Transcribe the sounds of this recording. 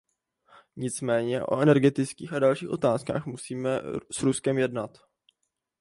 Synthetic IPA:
ɲɪt͡smɛːɲɛʔo̞̰ʔɛnɛɾɡɛt̪ɪt͡skiːxʔadalʃiːxʔo̞t̪aːska̰ːxmusiːmɛsɾuskɛmjɛdnat̪

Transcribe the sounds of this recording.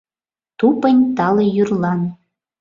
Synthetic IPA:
t̪upə̆nʲt̪ɑlijyrlˠɑn

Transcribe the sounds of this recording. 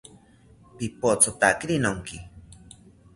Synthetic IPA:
pipot͡sot̪akɾinoŋki

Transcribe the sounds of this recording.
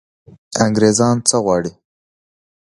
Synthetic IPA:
aŋɡɾezɑnt͡səɣwɑɽi

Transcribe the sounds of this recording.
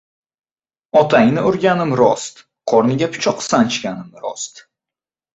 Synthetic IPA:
ɒt̪ʰaŋnɪʊɾɡʲanɪmɾɒ̰st̪ | qʰɒɾnɪɡʲapʰʊ̥t͡ʃʰɒqsant͡ʃʰkʲanɪmɾɒ̰st̪

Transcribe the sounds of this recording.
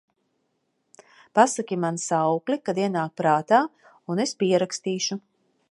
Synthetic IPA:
pasakʲimansawklikad̪iɛnaːk̚pɾaːt̪aː | unespiɛɾakst̪iːʃu

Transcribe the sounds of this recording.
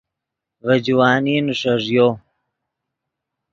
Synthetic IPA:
vɐd͡ʑwaːninuʂɐʐjoː

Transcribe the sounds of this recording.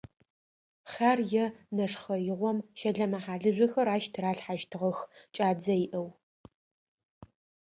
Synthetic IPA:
χaːrjɛnɐʂχɐjɪʁʷɔmʃɐɮɐmɐħaːɮɨʑʷɔxɐɾaːʃtʰraːɬħaʒtʰɨʁɐxt͡ʃʼaːd͡zɐjiʔɐw

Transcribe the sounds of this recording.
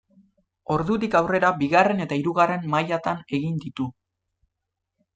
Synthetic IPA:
o̞ɾðut̪ikawre̞ɾabiɣare̞ne̞t̪aiɾuɣare̞mmajat̪ane̞ɣind̪it̪u

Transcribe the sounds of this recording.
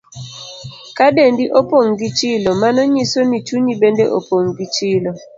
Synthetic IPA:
kadendiʔopoŋɡit͡ʃilɔmanɔɲisonit͡ʃuɲibendeʔo̰poŋɡit͡ʃilɔ

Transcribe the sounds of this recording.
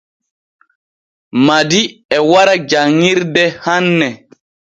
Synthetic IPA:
madiɛwaɾad͡ʒaŋːiɾdɛhanːɛ

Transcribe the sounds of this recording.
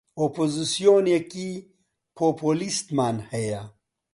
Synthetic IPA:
opozisjoneki | pʰopolist̪maːnheja

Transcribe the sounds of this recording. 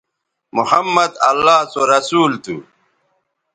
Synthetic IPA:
muhɐmːɐd̪ɐlːaːsoɾɐsuːlt̪ṵ

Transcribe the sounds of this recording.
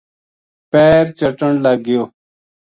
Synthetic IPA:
peːɾt͡ɕəʈəɳləɡɪjoː

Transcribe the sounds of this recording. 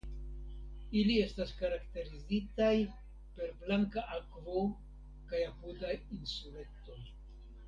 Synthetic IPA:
ilie̞staskaɾakte̞ɾizitaj | pe̞ɾblaŋkaʔakvo | kajapudainsule̞to̞j

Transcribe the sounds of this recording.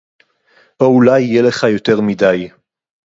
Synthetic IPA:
ʔoulajiːele̞χajo̞te̞ʁmidaj

